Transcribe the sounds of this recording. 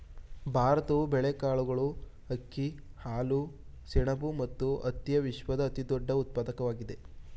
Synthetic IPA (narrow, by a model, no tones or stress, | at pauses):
bʱaːɾɐt̪ɐʋubɛɭekaːɭuɡɐɭuhɐkːihaːlu | sɛɳɐbumɐt̪ːuɐt̪jɐʋiʃʋɐd̪ɐːt̪id̪ɔɖːɐut̪̚paːd̪ɐkɐʋaːɡid̪e̞